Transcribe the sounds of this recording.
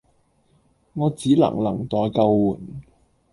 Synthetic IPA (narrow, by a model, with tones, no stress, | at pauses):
ŋɔː˨˧t͡siː˨˥lɐ̰˨˩ŋlɐ˨˩ŋt̪ɔː˨jkɐ˧wwuː˨˩n